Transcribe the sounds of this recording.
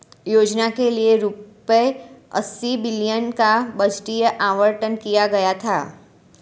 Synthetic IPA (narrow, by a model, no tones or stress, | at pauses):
joːd͡ʒnakelieɾʊpəeɐ̰sːibɪlijənkabɐd͡ʒʈijəʔaːʋəɾʈənkijaɡɐjat̪ʰa̰ː